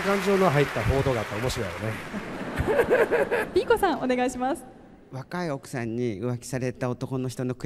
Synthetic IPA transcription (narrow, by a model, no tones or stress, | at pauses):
kãɲ̟d͡ʑo̞ːnoɦait̪ːaɸo̞ːd̪o̞ːɡaːt̪ːaomo̞ɕiɾoja̰ɾone | bʲiːko̞sãŋ̃one̞ɡaiɕimasɨ̥ | βakaio̞kɯ̟̥sãɲ̟ːiɯ̟βakʲi̥saɾe̞t̪ao̞t̪o̞ko̞no̞çi̥t̪o̞no̞kɯ